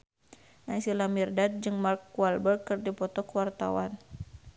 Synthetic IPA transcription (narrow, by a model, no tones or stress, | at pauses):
nasilamirdat̪̚d͡ʒɨŋmarkːualbərkɨrdipɔt̪ɔkəwart̪a̰wan